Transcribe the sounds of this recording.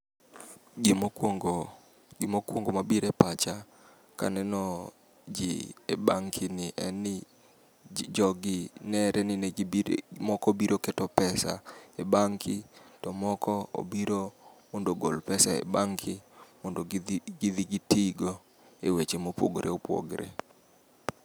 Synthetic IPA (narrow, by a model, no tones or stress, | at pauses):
ɡɪmŋɡ | ɡɪmokwoŋɡomabiɾɛpat͡ʃa | ka̰nɛnɔ | d͡ʒɪ̰ebaŋkʰɪnɪʔɛ̰nɪ | d͡ʒɔɡɪnɛɾʔɛnɪnɛ | mɔkɔbiɾokɛtɔpɛsa̰ebaŋkʰɪtɔmɔkɔo̰biɾomɔndoɡolpɛsaḛbaŋkʰɪmɔndoɡɪd̪iɡɪtiɡo | ewet͡ʃemopwo̰ɡɾʔḛopwo̰ɡɾḛ